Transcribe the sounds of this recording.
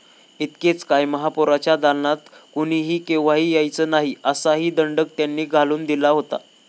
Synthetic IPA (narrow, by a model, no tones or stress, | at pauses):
it̪ket͡skajməɦapoɾat͡ɕjad̪alnat̪kuɽ̃iɦiːkeʋ̤aɦiːjajt͡səːnaɦiəsaɦiːd̪əɳɖək̚t̪janːiːɡʱaluːnd̪ilaɦot̪a̰